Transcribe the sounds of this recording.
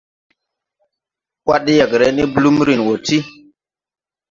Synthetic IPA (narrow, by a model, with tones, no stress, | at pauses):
wwa˦ɗi˦jə˨kɾe˨˦ni˦blu˦mɾi˨nwo˨ti˦